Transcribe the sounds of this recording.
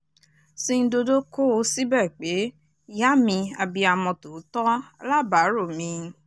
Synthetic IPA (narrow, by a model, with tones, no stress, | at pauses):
sĩ˧n̩˦do˧do˦ko˦o˦si˦bɛ˦˨k͡pe˨˦ | ja˦mĩ˧a˧bi˧a˧mɔ̃˧to˨˦tɔ˦a˦la˦˨ba˨˦ɾo˦˨mĩ˧